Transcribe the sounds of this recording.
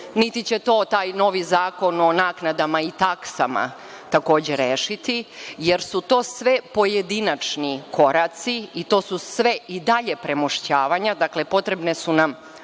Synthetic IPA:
nit̪it͡ɕet̪o̞ːt̪aːjno̞ʋizaːko̞no̞naːknad̪amait̪aksa̰ma̰ | t̪ako̞ːd͡ʑe̞ɾeːʃit̪ijeɾsut̪o̞ːsʋe̞po̞jed̪inat͡ʃnikʰo̞ɾat̪siit̪o̞ːsusʋe̞id̪aʎe̞pɾemoʃt͡ɕaːʋaɲad̪akle̞po̞t̪ɾe̞bne̞sunam

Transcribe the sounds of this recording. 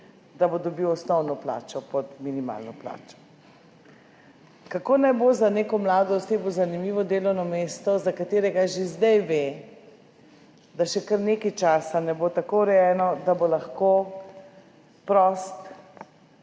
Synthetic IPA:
d̪abod̪ɔbiwɔsnɔwnɔpla̰ːt͡ʃɔpɔd̪minima̰ːlnɔpla̰ːt͡ʃɔ̥ | kakoːnajbozaneːkɔmlaːd̪ɔɔsebozanimiːʋɔd̪eːlɔwnɔmeːst̪ɔzakat̪eːɾɛɡaʒezd̪ɛjʋe | d̪aʃɛkəɾneːkajt͡ʃaːsanɛbot̪akoɾɛjɛːnɔd̪abolaxko | pɾɔst̪

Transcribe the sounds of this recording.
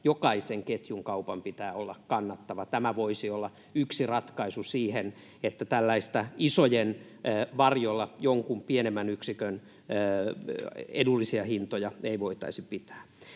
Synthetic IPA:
jokɑiseŋket̪juŋkɑupɑmpit̪æːolːɑkkɑnːɑt̪ːɑʋɑt̪æmæʋoisiolːɑ | yksirɑt̪kɑisusiːhen | et̪ːæt̪ælːæist̪æisojenː | ʋɑrjolːɑjoŋkumpienemːænyksikønː | edulːisiɑhint̪ojɑeiʋoit̪ɑ̰isipit̪æ̥ː

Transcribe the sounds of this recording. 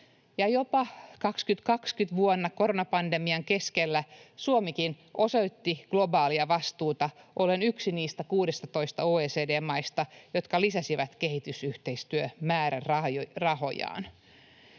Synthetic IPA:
jɑjo̞pɑkɑkskyt̪kɑkskyt̪ʋuonːɑko̞ɾonɑpɑnde̞miɑŋke̞skelːæsuomikin | ʔo̞soit̪ːiɡ̥lo̞bɑːliɑʋɑst̪uːt̪ɑʔo̞lenyksiniːst̪ækuːdest̪ɑt̪o̞ist̪ɑoːeːseːdeːmːɑist̪ɑjot̪kɑlisæsiʋæt̪ke̞hit̪ysyht̪eist̪yømæːɾærrɑjrɑho̞̰jɑ̰ːn

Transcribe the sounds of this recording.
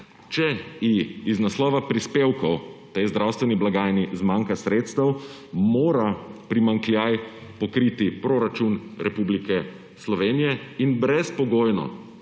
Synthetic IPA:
t͡ʃɛjiiznaslɔːʋapɾispewkɔwt̪ejzd̪ɾawst̪ʋɛniblaɡaːjnizmaːŋkasɾeːt̪st̪ɐw | moːɾapɾimaŋkljaj | pɔkɾiːt̪ipɾoɾat͡ʃunɾʔɛpublikɛ | slɔʋeːnijɛinbɾɛspɔɡoːjnɔ̰

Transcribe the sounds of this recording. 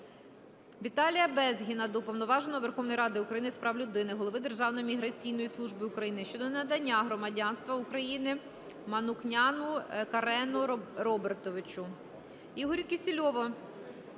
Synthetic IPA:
ʋʲit̪ɑlʲijɐbɛzɦʲinɐd̪ɔpɔwnɔʋɑʒenɔɔʋerxɔʋnɔjɾɑd̪ɪukɾɐjinɪspɾɑwlʲʊd̪ɪnɪɦɔlˠɔʋɪd̪e̞rʒɑwnɔjimʲiɦɾɐt͡sʲijn̪ɔjislˠuʒbɪukɾɐjinɪʃt͡ʃɔd̪ɔnɐd̪ɐnʲːaɦɾɔmɐdʲɑnst̪ʋɐʊkɾɐjinɪ | mɐnʊknʲanʊkɐɾɛnʊrɔbert̪ɔʋɪt͡ʃʊ | iɦɔɾʲʊkʲɪsʲɪlʲɔʋɔ

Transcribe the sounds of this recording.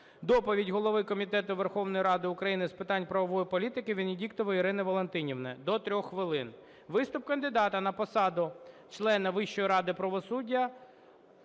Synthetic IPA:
d̪ɔpɔʋʲidʲɦɔlˠɔʋɪkɔmʲit̪ɛt̪ʊʋerxɔwnɔjiɾɑd̪ɪʊkɾɐjinɪspɪt̪ɑnʲpɾɐʋɔʋɔjipɔlʲit̪ɪkɪʋʲinʲɪdʲikt̪ɔʋɪiɾɪnɪʋɔlˠent̪ɪnʲiwnɛd̪ɔt̪ɾʲɔxːʋɪlˠɪn | ʋɪst̪ʊp̚kɐnd̪ɪd̪ɑt̪ɐnɐpɔsɑd̪ʊt͡ʃlˠɛnɐʋɪʃːɔjiɾɑd̪ɪpɾɐʋɔsudʲːɐ

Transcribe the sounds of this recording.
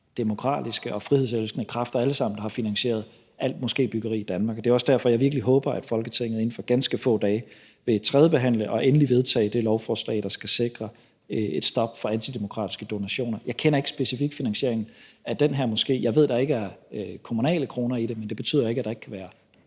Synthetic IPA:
d̥e̝mo̝kʰʁɑ̰̈ːd̥isɡ̥əʔɒ̽fʁiheðˠselsɡ̥nəkʰʁɑ̈fd̥ɐæləsɑ̈m̰n̩d̥ɑhɑ̈finænɕe̝̰ːɐð̞̩ˠ | ʔæl̰d̥mɔ̽sɡ̥e̝̰ːb̥yɡ̥ɐʁḭːid̥ænmɑ̈ːɡ̥ɒd̥e̝ːɒ̽sd̥æɐ̰fɒ̽jɑɪʋiɐɡ̥əliɦɔ̽ːb̥ɐæd̥fɒ̽lɡ̥ət͡sʰeŋ̰ð̞̩ˠe̝n̩fɒ̽ɡ̥ænsɡ̥əfɔ̰̽ːd̥ɛː | ʋe̝t͡sʰʁɛːðˠəb̥e̝ɦæn̰ləʔɒ̽ʔenəliʋe̝ð̞ˠt͡sʰɛ̰ːɪd̥e̝lɒʊfɒːslɛ̰ɪd̥ɑ̈sɡ̥æse̝ɡ̥ʁɐ | e̝d̥sd̥ɒ̽b̥fɒ̽ænt͡sʰid̥emo̝kʰʁɑ̰̈ːd̥isɡ̥əd̥o̝næɕo̝̰ːnɐjɑ̈ɪkʰenɐe̝ɡ̥sb̥e̝sifiɡ̥finænsɕe̝ɐe̝ŋn̩æd̥enɦæɐmɔ̽sɡ̥e̝̰ːjɑ̈ɪʋe̝ð̞̰ˠd̥ɑ̈e̝ɡ̥əæɐkʰo̝munɛ̰ːləkʰʁo̝ːnɐid̥e̝mend̥e̝b̥e̝t͡sʰy̰ð̰ˠɐe̝ɡ̥æd̥ɑe̝ɡ̥kʰæʋæːɐ

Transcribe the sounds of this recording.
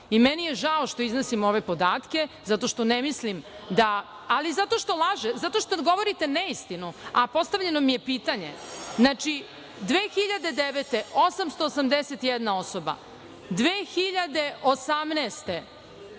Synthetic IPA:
imɛnijeʒaoʃt̪oiznosimo̞ʋe̞po̞d̪aːt̪ke̞zat̪o̞ʃt̪o̞nemislimd̪aː | lizat̪o̞ʃt̪o̞lˠaʒezat̪oʃt̪oɡo̞ʋoɾit̪eneist̪inuapo̞st̪aʋʎe̞no̞mijepiːt̪aɲe̞̰znat͡ʃi | d̪ʋeːxiʎad̪e̞d̪eʋet̪eosamst̪oːsamd̪eset̪jɛd̪nao̞soba̰ | d̪ʋeːxiʎad̪e̞ʔosamnest̪e̞

